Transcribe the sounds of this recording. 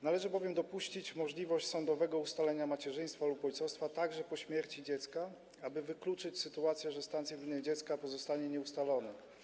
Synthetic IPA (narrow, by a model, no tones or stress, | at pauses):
nalɛʐɘbɔvʲjɛmd̪ɔpuɕt͡ɕit͡ɕmɔʐlʲivɔɕt͡ɕʲsɔnd̪ɔvɛɡɔust̪alɛɲamat͡ɕɛʐɘj̃st̪falupɔjt̪sɔst̪fat̪aɡʐɛpɔɕmʲjɛɾt͡ɕid͡ʑɛt̪ska | abɘvɘklut͡ʂɘt͡ɕsɘt̪uat̪sʲjɛʐɛst̪ant̪sʲjɛvʲinːɛd͡ʑɛt̪skapɔzɔst̪aɲɛɲɛust̪alɔnɛ